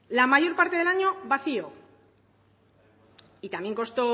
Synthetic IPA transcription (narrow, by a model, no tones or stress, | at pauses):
lamaʝo̞ɾpaɾt̪e̞ðelaɲo̞βaθio | it̪amje̞ŋko̞st̪o̞